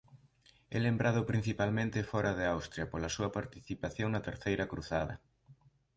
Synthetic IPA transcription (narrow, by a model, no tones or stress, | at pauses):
ɛlembɾaðʊpɾin̟θipalmẽnt̪ɪfɔɾʔɐðeawst̪ɾjɐpolɐsuɐpaɾt̪iθipaθjoŋnɐt̪eɾθejɾɐkɾuθaðɐ̰